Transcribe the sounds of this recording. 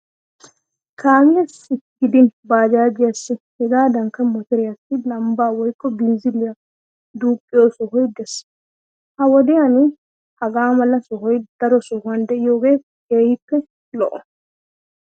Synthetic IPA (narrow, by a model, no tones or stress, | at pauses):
kʰaːmɪjɐsɪkːɪd̪ɪnbaːd͡ʒaːd͡ʒɪjasːɪhɛɡaːd̪ɐŋkːɐmɔt̪ɪɾɪjɐsːɪlɐmbaːwɔjkʼːɔbɪnzɪlɪja | d̪uːpʼːɪjoːsɔhɔjd̪ɛs | hɐwɔd̪ɪjanɪ | hɐɡaːmɐlːɐsɔɦɔjd̪̥ɐɾɔsɔhʊɐnd̪ɛʔɪjoːɡe̞ː | keːhɪpːɛ | lɔʔɔ